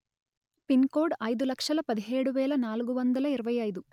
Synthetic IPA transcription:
pinkoːɖɐjd̪ulɐkʂɐlɐpɐd̪iɦeːɽuʋɛːlɐnaːluɡuʋɐnd̪ɐlɐiɾɐʋɐjɐjd̪u

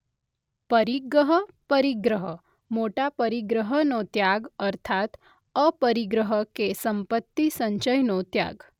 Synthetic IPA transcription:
pəɾiɡɾəɦəpəɾiɡɾəɦə | moʈapəɾiɡɾəɦənot̪jaɡəɾt̪ʰat̪ | əpəɾiɡɾəɦəkesəmpət̪ːisəɲɕəjnot̪ja̰ɡ

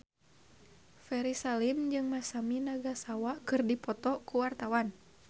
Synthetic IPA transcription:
fɛɾisalimd͡ʒɨŋmasaminaɡasawakɨrdipɔt̪ɔkuwart̪awan

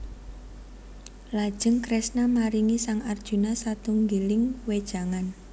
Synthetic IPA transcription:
lad̥ʒ̥ə̤ŋkɾɛsnamaɾiŋisaŋard̥ʒ̥ṳnasat̪uŋɡilɪŋwed̥ʒ̥a̤ŋan

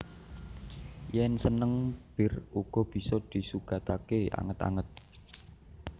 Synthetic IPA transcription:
jɛnsənəŋb̥ɪ̤ruɡ̥ɔ̤b̥i̤sɔd̪̥i̤suɡ̥ä̤t̪akea̰ŋət̪a̰ŋət̪̚

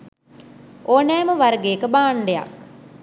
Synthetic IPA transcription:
ʔoːnɛːməʋaɾəɡeːkəbaːɳɖeja̰k

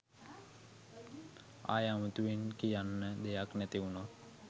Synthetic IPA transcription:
a̰ːjamut̪uʋinkijanːəd̪ejaknæt̪iuna

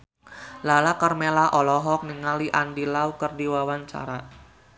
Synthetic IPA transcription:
lalakarmelaʔɔlɔɦɔk̚niŋaliʔandilaukərdiwawaɲt͡ʃa̰ɾa

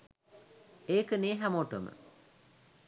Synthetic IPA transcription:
eːkəneːɦamoʈomə̰

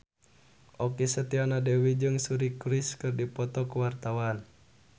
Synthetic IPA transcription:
ʔɔkisət̪ianadəwid͡ʒɨŋsuɾikuɾiskɨrdipɔt̪ɔkuwart̪awan

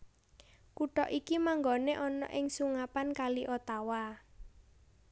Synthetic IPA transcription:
kuɖɔʔikimaŋɡɔneʔɔnɔ̰ʔɪŋsuŋapankaliʔot̪awa

